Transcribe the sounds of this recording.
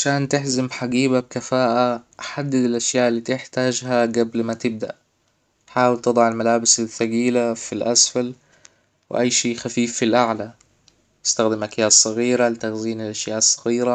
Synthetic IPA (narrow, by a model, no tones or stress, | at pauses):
ʕaʃaːnt̪ɪħzɪmħaɡiːbab̚kafaːʔaħad̪ːɪd̪ɪlʔaʃjaːʔlːiːt̪ɪħt̪aːd͡ʒhaɡablmat̪ɪb̚d̪a̰ʔ | ħaːwɪlt̪ɨd̪ˤɑʕɪlmalaːbɪsaθaɡiːlafilʔasfal | wɪ̰ʔajːʃiːxafiːfːilʔaʕla | t̪ɪ̥st̪axd̪ɪmʔakjaːʔsˤːɑɣiːɾalɪt̪axziːnɪlʔaʃjaːʔɑsˤːɑɣiːɾa